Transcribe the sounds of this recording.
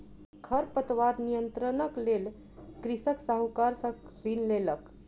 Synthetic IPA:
kʰəɾpət̪ʋad̪nijənt̪ɾənəklel | kɾisəksaɦukaɾsə̃ɾinlelək

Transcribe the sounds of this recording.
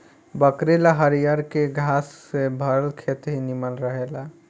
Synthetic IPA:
bəkɾelaɦəɾijaɾkeɡʱasːebʱəɾəlkʰet̪ɦiniməlɾəɦela

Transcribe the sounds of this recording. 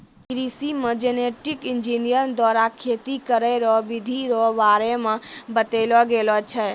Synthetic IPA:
kɾisimə̃d͡ʒɛneʈikɪnd͡ʒinijəɾd̪waɾakʰet̪ikəɾɛɾɔʋid̪ʱiɾɔʋaɾemãbət̪elɔɡelɔt͡ʃʰɛ

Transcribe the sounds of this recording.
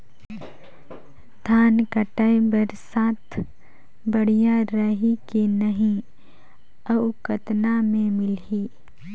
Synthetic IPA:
d̪ʱaːnkəʈaebɐɾsaːt̪ʰ | bɐɽ̤ijaɾəɦikenɐɦĩ | ɐʊkət̪namẽmɪlɦiː

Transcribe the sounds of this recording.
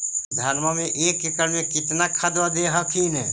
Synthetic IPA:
d̪ʱəɾməmeʔekːikəɾmẽkɪt̪nakʰad̪wəd̪eɦəkʰinɛ

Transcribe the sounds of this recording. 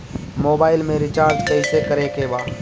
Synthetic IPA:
moːbaːɪlmẽɾɪt͡ʃaːɾd͡ʒkɛɪsekɐɾekeːbaː

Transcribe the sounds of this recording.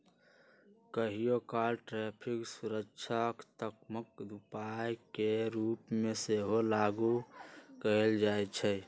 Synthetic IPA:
kəɦijokalʈɾepʰiksuɾəkt͡ʃʰəkt̪əkməkd̪upajkeɾupmeseɦolaɡukəeld͡ʒajt͡ʃʰɛ

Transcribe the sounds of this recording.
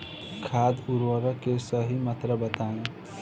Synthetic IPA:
kʰaːd̪uɾwəɾəkesəɦimət̪ɾəbət̪aːĩ

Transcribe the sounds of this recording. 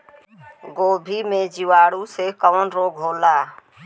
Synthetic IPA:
ɡoːbʱiːmẽd͡ʒɪʋaːɽusekəʋənɾoːɡʱɦoːlaː

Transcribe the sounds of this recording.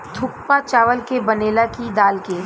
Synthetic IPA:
t̪ʰʊkpat͡ʃaːʋəlkebɐneːlakid̪aːlke

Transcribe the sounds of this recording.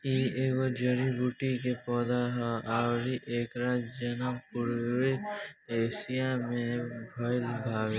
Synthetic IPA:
iːewod͡ʒɐɾibuʈikepɔːd̪aɦaaːwɾiʔeːkɾaːd͡ʒɐnapʊɾweeːsijamẽbʱɔɪlbʱaːwe

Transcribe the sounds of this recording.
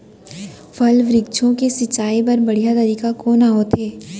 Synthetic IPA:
fʰɐlʋɾɪk̚t͡ʃʰõkesɪt͡ʃːaːip̬ɐɾbɐɽ̤ijat̪ɐɾiːkakoːnaɦoːt̪eː

